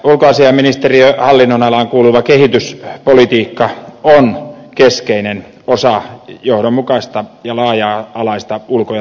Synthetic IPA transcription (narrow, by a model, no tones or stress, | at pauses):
ulkoɑsiɑminist̪eriøhɑlːinːonɑlɑŋkuːluʋɑkehit̪yspolit̪iːkːɑonkeskeinen | osɑjohdommukɑist̪ɑjɑlɑːjɑːɑlɑist̪ɑulkojɑ